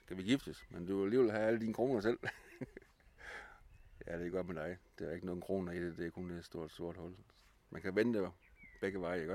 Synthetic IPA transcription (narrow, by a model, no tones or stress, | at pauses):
kʰæʋiɡ̥ifd̥əsmend̥uæliʋelhææləd̥iːnəkʰʁo̝̰ːnɐsel̰ | jæd̥e̝ɡ̥ɒ̽d̥med̥ɑ̈ɪd̥e̝æe̝ɡ̥ənɔ̽ːðˠn̩kʰʁo̝̰ːnɐid̥ed̥e̝ækʰo̝nd̥e̥sd̥o̝ɐ̰d̥sd̥o̝ɐ̰d̥hɔ̽l̰ | mʔænkʰæʋenəd̥eb̥eɡ̥əʋɑ̈ɪæɡ̥ɒ